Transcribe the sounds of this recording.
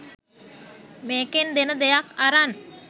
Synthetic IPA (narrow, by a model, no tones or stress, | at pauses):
meːkend̪enəd̪ejakaɾan